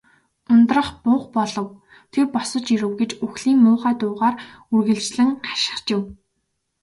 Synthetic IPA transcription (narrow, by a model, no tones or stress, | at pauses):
ʊnt̪rə̆χpʊχpɔɮɞ̆w | t̪ʰerpɔsɞ̆t͡ɕiɾɘ̆wɡet͡ɕuxɮiːŋmʊːʁaːt̪ʊːʁaːr | urɣɘ̆ɮt͡ɕɮɘ̆ŋɢḁʃɪ̥̆χt͡ɕɪ̆w